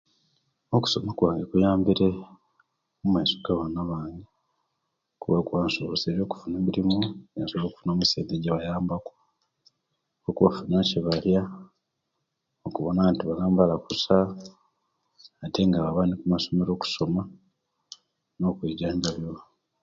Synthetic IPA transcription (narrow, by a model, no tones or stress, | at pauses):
oku̥so̞makwaːŋɡekujaːmbiɾe̞ | mumaisoɡaβanaβaːŋɡe | kuβakwaːnsoβoseɾjo̞ːku̥funeːmiɾimuejasoβloːku̥funo̞ːmuseːndeɟaβajaːmbakwo | okuβafunaceβalja | okuβonantiβalaːmbalakusa | teŋɡaβaβanikumaso̞me̞ɾo̞ːku̥so̞ma | no̞ːkwiːɟaːɲɟaβjo